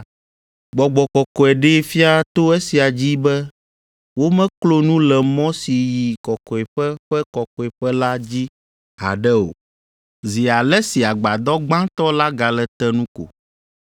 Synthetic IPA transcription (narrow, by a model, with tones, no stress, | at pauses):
ɡ͡bɔ˨ɡ͡bɔ˨kɔ˨kɔ˨ɛ˨ɖe˦fi˦a˦t̪o˦ɛ˦si˨a˨d͡ʑi˦bɛ˦ | wo˦mɛ̃˦klo˦nũ˦lɛ˨mɔ̃˦si˨ji˨kɔ˨kɔ˨ɛ˨ɸɛ˦ɸɛ˦kɔ˨kɔ˨ɛ˨ɸɛ˦la˦d͡ʑi˦ | a̰˨ɖɛ˦o̰˨ | zi˨a˨lɛ˦si˨a˨ɡ͡ba˨d̪ɔ˦ɡ͡bã˦t̪ɔ˦la˦ɡa˨lɛ˨t̪ɛ˦nũ˦ko̰˨